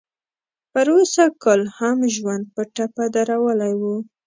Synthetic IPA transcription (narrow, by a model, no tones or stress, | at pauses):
pəɾosakɑlhamʒwand̪̚pəʈapad̪aɾawəlajwu